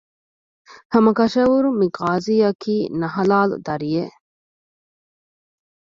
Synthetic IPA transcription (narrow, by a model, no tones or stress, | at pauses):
hɐmɐkɐʃɐʋuɾumiɡaːziːɐkʰiːnɐɦɐlaːlṵd̪ɐɾije